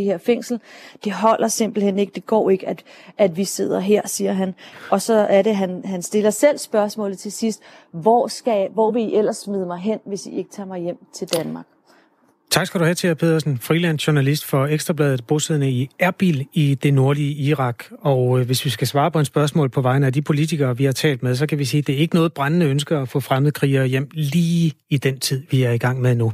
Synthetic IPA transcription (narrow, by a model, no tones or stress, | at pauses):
iheɐ̰feŋ̰sl̩d̥e̝ɦɒ̽l̰ʔɐse̝mb̥l̩en̰e̝ɡ̥əd̥e̝ɡ̥ɒ̰ːe̝ɡ̥əæd̥ʔæd̥ʋise̝ð̞̰ˠɐɦeɐ̰siːɐɦænɒ̽sɒ̽æɐɾe̝ɦænɦænsd̥e̝lɐsel̰sb̥ɶɐsmɔ̰ːlð̩ˠt͡sʰe̝sisd̥ʋɒsɡ̥æʋɒ̰ːʋe̝iʔel̰ɐsmyð̞̰ˠəmɑ̈ɪɦen̰ʋe̝sie̝ɡ̥ət͡sʰɑ̈ːmɑ̈ɪjem̰t͡sʰe̝ld̥ænmɑ̈ːɡ̥̚ | t͡sʰɑ̈ɡ̥sɡ̥æɾ̥uhæt͡sʰe̝pʰe̝ð̰ˠɐsn̩fʁilæn̰sɕoɐnælisd̥fɒ̽eɡ̥sd̥ʁɐb̥lɛːðð̩ˠb̥oseð̰ˠnəiæɐb̥ilid̥e̝no̝ɐliəiʁɑ̈ɡ̥ɒ̽ʊʋe̝sʋisɡ̥æsʋɑ̈ːpʰɒ̽ensb̥ɶɐsmɔ̰̽ːlˠpʰɒ̽ʋɑ̈ɪnəæd̥ipʰo̝lit͡sʰiɡ̥ɐːʋihɑ̈t͡sʰɛ̰ːld̥með̞ˠsɒ̽kʰæʋisḭːd̥e̝æɐe̝ɡ̥ənɔ̽ːð̩ˠb̥ʁɑnənəønsɡ̥ɐːfɔ̰̽ːfʁaməðˠəkʰʁḭːɐjem̰liːid̥ent͡sʰið̰ˠʋiæɐiɡ̥ɑ̈ŋ̰meðˠnu